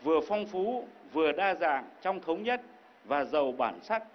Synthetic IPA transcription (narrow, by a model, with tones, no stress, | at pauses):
vɨ˨˩əfɔ˧wŋ͡mfu˨˦vɨ˨˩əɗaː˧zaː˨˩ŋt͡ɕɔ˧wŋ͡mt̪ʰə˨˦wŋ͡mɲə˦˥t̚ | vaː˨˩zə˨˩wɓa̰ː˧˩nsa˦˥k̚